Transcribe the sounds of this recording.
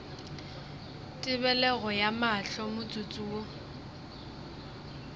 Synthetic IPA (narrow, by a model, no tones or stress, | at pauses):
tʼɪbɛlɛɣɔjamaɬɔmʊt͡sʼut͡sʼuːɔ